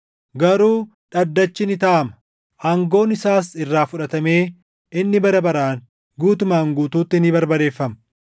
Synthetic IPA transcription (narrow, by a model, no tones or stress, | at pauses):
ɡɐɾuː | ᶑɐd̪ːɐt͡ʃːɪnɪt̪ɐʔɐmɐ̥ | ʔaːŋɡo̞ːnɪsaːsɪrːaːfʊᶑɐt̪ɐme̞ː | ɪnːɪbɐɾɐbɐɾaːŋ | ɡuːt̪ʊmaːŋɡuːt̪uːt̪ːɪnibɐɾbɐd̪e̞ːfːɐmɐ